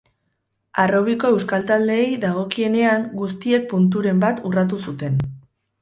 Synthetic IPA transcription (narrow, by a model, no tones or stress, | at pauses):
aro̞β̞iko̞e̞wskalt̪ald̪e̞ːjðaɣ̞o̞kie̞ne̞aŋɡust̪ie̞k̚punt̪̬uɾe̞mbat̪urat̪̬usut̪e̞n